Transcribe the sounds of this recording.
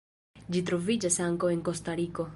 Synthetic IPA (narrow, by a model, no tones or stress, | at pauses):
d͡ʒit̬ɾo̞vid͡ʒasaŋkawe̞ŋko̞st̪aɾiko̞